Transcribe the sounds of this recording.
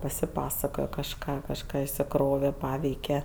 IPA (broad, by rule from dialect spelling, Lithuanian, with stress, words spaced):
pɐsʲɪˈpɑːsɐkoːjɛ kɐʃˈkɑː kɐʃˈkɑː ɪʃʲsʲɪˈkroːʋʲɛ ˈpɑːʋʲɛɪkʲɛ